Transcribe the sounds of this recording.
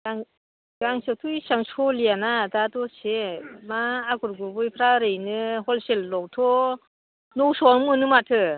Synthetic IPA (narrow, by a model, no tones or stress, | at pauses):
ɡaŋ | ɡ̥aŋsatʰujsaŋsʰɔlianadatɔsemaːɡuɾɡubɯjpʰɾaɾɯjnɯhɔlselːɔktʰɔ | nɔwsɔnmɯnɯmatʰɯ